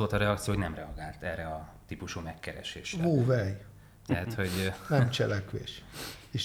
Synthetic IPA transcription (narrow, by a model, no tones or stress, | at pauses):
oːlt̪ɒɾɛɒk̚t̪sioːhoɟnɛmrɛɒɡaːlt̪ɛrɛɒt̪iːpuʃuːmɛkːɛɾɛ̰ʃḛːʃɦoːvɛj | t̪ɛɦæt̪ho̞ɟnɛmt͡ʃɛlɛkʋḛːʃeːʃ